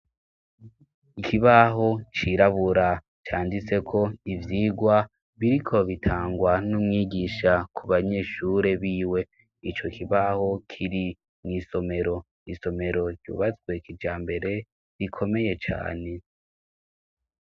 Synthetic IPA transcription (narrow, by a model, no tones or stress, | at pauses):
ikʰiβaɦo̞t͡ʃiɾaβuɾa | t͡ʃaːndit͡se̞kʰo̞ivjiːɡwa | βiɾikʰo̞βitʰaːŋɡwanumŋiːɡiʃakʰuβaɲe̞ːʃuɾe̞βiːwe̞ | it͡ʃo̞kʰiβaho̞kʰiɾi | mŋiːso̞me̞ɾo̞ | iso̞me̞ɾo̞ɾɟṵːβat͡swe̞kid͡ʒaːmbe̞ɾe̞ | ɾikʰo̞me̞je̞t͡ʃa̰ːne̞